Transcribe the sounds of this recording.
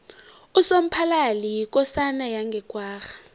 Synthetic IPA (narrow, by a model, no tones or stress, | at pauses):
usom̩pʰalalik̬ɔsanajaŋɡʱɛkʼwaːxḁ